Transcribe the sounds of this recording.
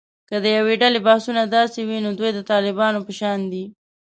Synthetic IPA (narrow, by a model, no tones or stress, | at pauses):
kəd̪əjaweɖalebahsunad̪ɑsewinod̪wujd̪ət̪ɑlɪbɑnopəʃɑnd̪i